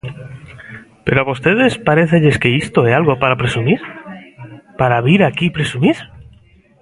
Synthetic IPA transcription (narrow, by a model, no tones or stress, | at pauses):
peɾoaβost̪e̞ðe̞spaɾe̞θe̞ʎe̞ske̞ist̪o̞ealɣo̞paɾapɾe̞sumiɾ | paɾaβiɾakipɾe̞sumiɾ